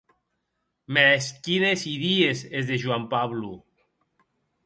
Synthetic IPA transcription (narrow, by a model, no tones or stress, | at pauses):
meeskinesiðiesezðeʒwampaβlṵ